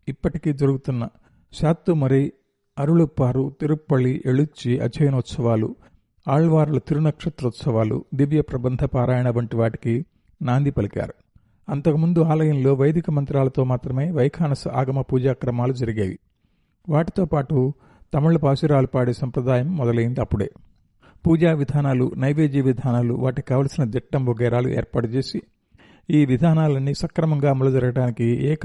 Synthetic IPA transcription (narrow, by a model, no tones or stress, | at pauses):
ipːɐʈikiːd͡ʒɐɾuɡut̪unːɐ | ʃaːt̪ːumɐɾi | ɐɾuɭupːaːɾut̪iɾupːɐɭiʔeɭut͡ʃːiʔɐ̰t͡ʃʰɐjnɐut̪sɐʋaːlṵ | aːɭʋaːɾulɐt̪iɾunɐkʂɐt̪ɾut̪sɐʋaːlṵd̪iʋjɐpɾɐbɐnd̪ʱɐpaːɾaːjɐɳɐʋɐɳʈiʋaːʈi̥ki | naːnd̪ʱipɐlika̰ːɾu | ɐnt̪ɐkumund̪uaːlɐjɐnlo̞ːʋɐjɐd̪ʱikɐmɐnt̪ɾaːlɐt̪o̞ːmaːt̪ɾɐme̞ːʋɐjkʰaːnɐsɐa̰ːɡɐmɐpuːd͡ʒaːkɾɐmaːlud͡ʒɐɾiɡeːʋḭ | ʋaːʈit̪o̞ːpaːʈu | t̪ɐmɐɭːɐpaːsiɾaːlupaːɽesɐmpɾɐd̪aːjɐmːɔd̪ɐlɐjind̪iɐpːuɽḛː | puːd͡ʒaːʋid̪ʱaːnaːlunɐjʋe̞ːd͡ʒiːʋid̪ʱaːnaːlṵʋaːʈikaːʋɐːlɐsinɐd̪ɛʈːɐmʋoɡɛːɾaːlṵʔɛ̰ːɾpaːʈut͡ʃe̞ːsi | iːʋid̪ʱaːnaːlɐnːisɐkɾɐmɐŋɡaːmulɐd͡ʒɐɾɐɡɐɽaːnikiɛːk